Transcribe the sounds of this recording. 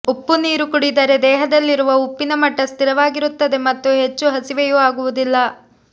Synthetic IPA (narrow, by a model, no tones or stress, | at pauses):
upːuniːɾukuɽid̪ɐɾe̞d̪ɛːɦɐd̪ɐlːiɾuʋɐupːinɐmɐʈːɐst̪iɾɐʋaːɡiɾut̪ːɐd̪e̞mɐt̪ːuɦe̞t͡ʃːuɦɐsiʋejuaːɡuʋud̪ilːɐ